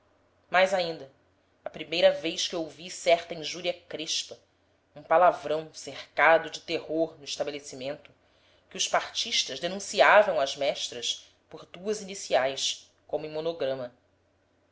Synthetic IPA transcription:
majzaĩnd̪ɐ | ɐpɾimejɾɐvejʃkɪowvisɛɾt̪ɐĩʒuɾiɐkɾeʃpɐ | ũpalavɾɐ̃w̃seɾkad̪ʊd͡ʒɪt̪ehoɾnʊiʃt̪abelesimẽnt̪ʊ | kɪʊʃpaɾt͡ʃiʃt̪ɐʒd̪enũsiavɐ̃w̃ɐzmɛʃt̪ɾɐs | poɾd̪uɐzinisiajs | kõmʊẽmonoɡɾɐ̃mɐ

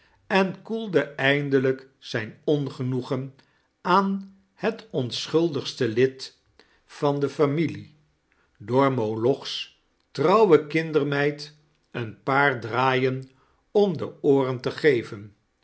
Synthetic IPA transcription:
ɛnkulˠdəʔɛjndələk | sɛjnɔnχənuχən | aːn | hətɔnsχɵlˠdəχstəlɪt | fɑndəfamili | dɔɹmolɔχs | trɑwwəkɪndəɹmɛjt | ənpaːɹdraːjən | ɔmdəoːrəntəχejvən

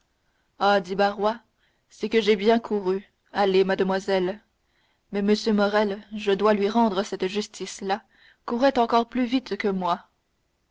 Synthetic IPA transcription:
ad̪ibaʁwa | sɛkəʒebjɛ̃kʰuʁy | alemad̪əmwazɛl | mɛməsjømɔʁɛlʒəd̪walɥiʁɑ̃d̪ʁəsɛt̪ʒyst̪ʰisla | kuʁɛt̪ɑ̃kɔʁplyvit̪kəmwa

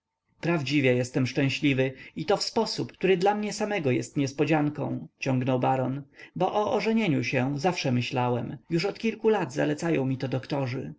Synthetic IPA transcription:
pɾavd͡ʑivʲjɛjɛst̪ɛmʂt͡ʂɛ̃ɕlʲivɘit̪ɔfspɔsupk̚t̪uɾɘd̪lamɲɛsamɛɡɔjɛ̰st̪ɲɛspɔd͡ʑaŋkɔ̰̃w̃t͡ɕɔ̃ŋɡnɔwbaɾɔnbɔʔɔʔɔʐɛɲeɲuɕɛzafʂɛmɘɕlawɛmjuʂɔt̪kʲilkulad̪za̰lɛt̪sajɔ̃w̃mʲit̪ɔd̪ɔkt̪ɔʐɘ̰

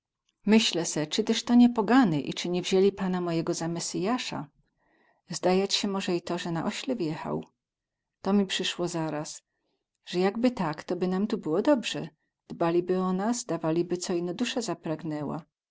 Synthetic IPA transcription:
mɘɕlɛsɛt͡ʂɘt̪ɛʂt̪ɔɲɛpɔɡanɘʔḭt͡ʂɘɲɛvʑelʲipanamɔjɛɡɔzamɛsʲɘjaʂa̰ | zd̪ajat͡ɕɕɛmɔʐɛit̪ɔʐɛnaʔɔɕlɛvjɛxa̰w | t̪ɔmʲipʂɘʂwɔzaɾas | ʐ̥ɛjaɡbɘt̪akt̪ɔbɘnamt̪ubɘwɔd̪ɔbʐɛ̰ | d̪̥balʲibɘɔnasd̪avalʲibɘt̪sɔinɔd̪uʂɛzapɾaɡnɛwa̰

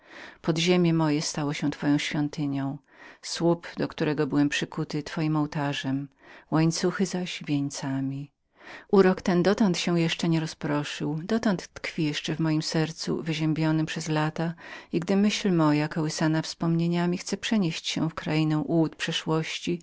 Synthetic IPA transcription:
pɔd̪ʑemʲjɛmɔjɛst̪awɔɕɛ̃t̪fɔjɔ̃w̃ɕfʲjɔnt̪ɘɲɔ̃w̃ | swupd̪ɔkt̪uɾɛɡɔbɘwɛmpʂɘkut̪ɘt̪fɔjimɔwt̪aʐɛm | waɲt̪suxɘzaɕvʲjeɲt̪samʲi | uɾɔkt̪ɛnd̪ɔt̪ɔnt̪ɕɛwjɛʂt͡ʂɛɲɛɾɔspɾɔʂɘwd̪ɔt̪ɔnt̪ːkfʲijɛʂt͡ʂɛvmɔjimsɛɾt̪sṵvɘʑɛmbʲjɔnɘmpʂɛzlat̪aiɡd̪ɘmɘɕlmɔjakɔwɘsanafspɔmɲeɲamʲixt̪sɛpʂɛɲeɕt͡ɕɕɛ̰wfkɾajinɛw̃ʔuwut̪pʂɛʂwɔɕt͡ɕi

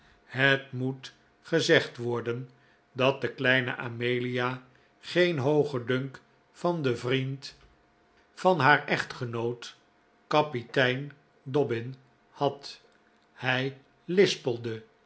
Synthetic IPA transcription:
hətmut | χəzɛχtʋɔɹdən | dɑt̚dəklɛjnə̰ʔamejlija | χejnɦowχədøŋk | fɑndəvrint | fɑnɦaːɹɛχtχənowt | kɑpitɛjn | dɔbɪn | hɑt | hɛj | lɪspəlˠdə

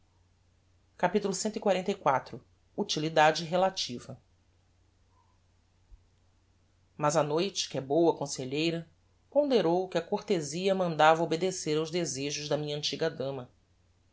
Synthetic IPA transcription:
kapit̪ulʊsẽnt̪ʊikwaɾẽnt̪ɐjkwat̪ɾʊ | ut͡ʃilid̪ad͡ʒɪɦelat͡ʃivɐ | mɐzɐnojt͡ʃɪ̥kɪɛbowɐkõseʎejɾɐ | põnd̪eɾowkɪɐkoɾt̪eziɐmɐ̃nd̪avɐobed̪eseɾawʒd̪ezeʒʊʒd̪ɐmĩɲɐ̃nt͡ʃiɡɐd̪ɐ̃mɐ

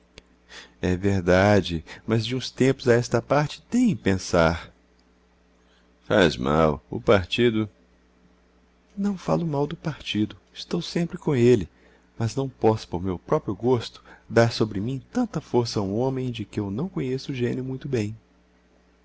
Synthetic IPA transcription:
ɛveɾd̪ad͡ʒɪmɐzd͡ʒɪũst̪ẽmpʊzɐɛst̪ɐpaɾt͡ʃɪ̥t̪ẽj̃pẽsaɾ | fa̰zma̰wʊ̰paɾt͡ʃid̪ʊ | nɐ̃w̃falʊmawd̪ʊpaɾt͡ʃid̪ʊɪst̪owsẽmpɾɪkõelɪ | mɐznɐ̃w̃pɔsʊ̥poɾmewpɾɔpɾjʊɡost̪ʊ̥d̪aɾsobɾɪmĩt̪ɐ̃nt̪ɐfoɾsɐũõmẽj̃d͡ʒɪkɪewnɐ̃w̃kõɲesʊːʒẽniʊmũj̃t̪ʊbẽj̃

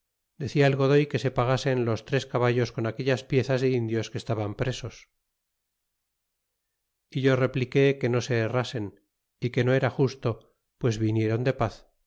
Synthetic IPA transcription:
d̪e̞θiaelɣo̞ðo̞jke̞se̞paɣ̞ase̞nlo̞st̪ɾe̞skaβaʎo̞sko̞nake̞ʎaspje̞θazðe̞ind̪jo̞skest̪aβampɾe̞so̞s | iʝo̞re̞plike̞ke̞no̞se̞ːrase̞n | ike̞no̞e̞ɾaxust̪o̞ | pwe̞zβinje̞ɾo̞nd̪e̞paθ

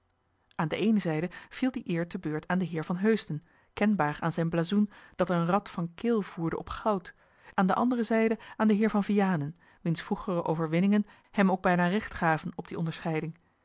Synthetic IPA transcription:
ʔaːndəʔejnəzɛjdəv̥ilˠdiʔɪːɹtəbøːɹtʰaːndəɦɪːɹvɑnɦøɥstən | kɛnbaːraːnzɛjnblaːzund̥ɑtənrɑtfɑnkɪlˠv̥uːɹdə̰ʔɔpχɑwt | ʔaːndəʔɑ̰ndərəzɛjdəaːndəɦɪːɹvɑnvijaːnən | ʋinsfruχərəʔowvəɹʋɪnɪŋən | hɛmowɡ̚bɛjnaːrɪχtχaːvənɔb̚diɔndəɹsχɛjdɪŋ

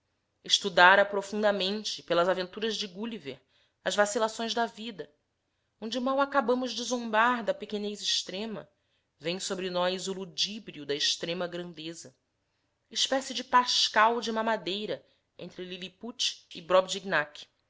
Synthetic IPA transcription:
ɪʃt̪ud̪aɾɐpɾofũnd̪ɐmẽnt͡ʃɪpelɐzavẽnt̪uɾɐzd͡ʒɪɡuliveɾ | ɐzvasilasõj̃zd̪ɐvid̪ɐ | õñd͡ʒɪmawakabɐ̃mʊzd͡ʒɪzõmbaɾd̪ɐpekenejziʃt̪ɾẽmɐ̰ | vẽj̃sobɾɪnɔjzulud͡ʒibɾiud̪ɐɪʃt̪ɾẽmɐɡɾɐ̃nd̪ezɐ | iʃpɛsid͡ʒɪpaʃkawd͡ʒumaɐmad̪ejɾɐ | ẽnt̪ɾɪliliput͡ʃɪbɾɔbd͡ʒiɡnak

